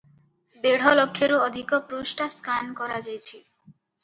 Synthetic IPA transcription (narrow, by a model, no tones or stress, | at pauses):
d̪eɽ̤olokʰːeɾood̪ʱikopɾuʃʈaskankɔɾad͡ʑajt͡ɕʰi